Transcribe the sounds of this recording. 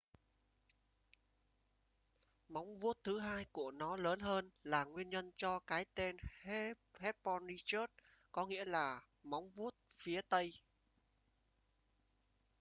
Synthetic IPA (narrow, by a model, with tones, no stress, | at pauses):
ma˨˦wŋ͡mvu˦˥ət̚t̪ʰɨ˨˦ɦaː˧jku˧˩ənɔ˨˦ləː˨˦nɦəː˧nlaː˨˩ŋwi˧ənɲə˧nt͡ɕɔ˧kaː˨˦jt̪e˧n | hɛ˦˥t̚pɔ˧nːi˧t͡ɕə˦˥t̚kɔ˨˦ŋḭ˧˥əlaː˨˩ | ma˨˦wŋ͡mvu˦˥ət̚fi˨˦ət̪ə˧j